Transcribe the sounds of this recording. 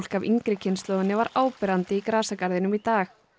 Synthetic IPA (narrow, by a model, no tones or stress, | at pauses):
l̥kaviŋkɾɪcʰɪnst̪lɔːwðɪnːɪvaɾaːwpɪɾant̪ɪikɾaːsakaɾðɪnʏmit̪aːx